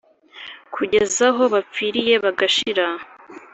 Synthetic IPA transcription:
kʰuɟe̞zaɦo̞βap͡fiɾije̞βaɡaʃiɾa

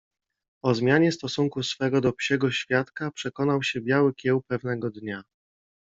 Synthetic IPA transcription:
ɔzmʲjaɲɛst̪ɔsuŋkusfɛɡɔd̪ɔpɕɛɡɔɕfʲjat̪kapʂɛkɔnawɕɛbʲjawɘkʲjɛwpɛvnɛɡɔd̪ɲa

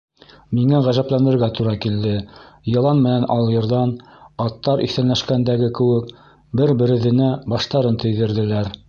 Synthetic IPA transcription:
miŋæʁæʒæplænd̪ɘ̆ɾɡæt̪uɾɑkild̪ɘ | jɤ̆lˠɑnmɘ̆nænʔɑlˠjɤ̆ɾðɑn | ɑt̪ːɑɾʔḭθænlæʃkænd̪æɡɘkɘ̆wɘk | bɘɾbɘ̆ɾɘ̆ðɘ̆næbɑʃt̪ɑɾɤnt̪ɵ̆jðɘ̆ɾðɘ̆læɾ

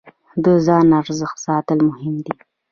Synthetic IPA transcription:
d̪əzɑnaɾzəxt̪sɑt̪əlmʊhɪmd̪i

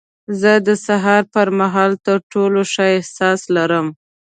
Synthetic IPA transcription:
zəd̪əsaɦɑɾpəɾmaɦɑlt̪əɾʈoloʃɑjɪhsɑslaɾəm

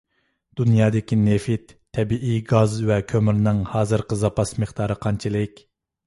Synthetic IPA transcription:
d̪̥unjɑːd̪ɪkʲinefit̪ʰːɛbiʔiɡɑzvɛkʲʰømyɾnɨŋhɑːzɨɾqəzɑpɑsmeχt̪ɑːɾɨqʰɑnt͡ʃʰilɪkʲ

